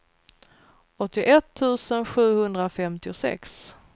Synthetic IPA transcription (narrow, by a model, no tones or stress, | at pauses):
ɔt̪ːɪʔɛt̪ʰːʉ̟ːsənɧʉ̟ːhɵnd̪ɾafɛmt̪ɪʊsɛ̰ks